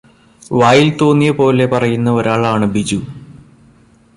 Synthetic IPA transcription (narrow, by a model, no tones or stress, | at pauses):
ʋaːjilt̪o̞ːnːijɐpo̞ːle̞pɐrɐjunːɐo̞ɾaːɭaːɳɨbid͡ʑu